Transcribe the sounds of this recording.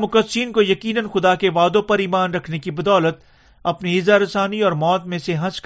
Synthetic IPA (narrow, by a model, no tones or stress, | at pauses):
mʊkəsiːnkojɐkiːnənxʊd̪akeʋaːd̪õpɐɾiːmaːnɾɐkʰnekibɐd̪ɔːlət̪ | ɐpniɪzaɾɐsaːniɔːɾmɔːt̪mẽseɦɐ̃sk